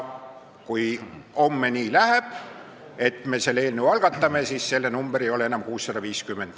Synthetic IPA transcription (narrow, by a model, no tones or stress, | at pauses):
kujo̞mːeniːlæheb̥ | e̞t̪ˑme̞se̞lːeːlnewɑlɡ̥ɑt̪ːˑɑme̞siːsse̞lːenumb̥eɾejo̞le̞e̞nɑmkuːsːɑd̪ɑviːskymːe̞nd̪̥